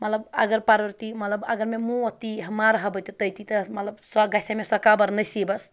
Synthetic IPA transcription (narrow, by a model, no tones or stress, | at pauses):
mət̪ləbə̰ɡəɾpaɾbəɾt̪imət̪ləbə̰ɡəɾmemũət̪iɦəmaɾɦəbət̪t̪əjt̪it̪əmət̪ləbsɔɡasamesəkabəɾnəjsibəs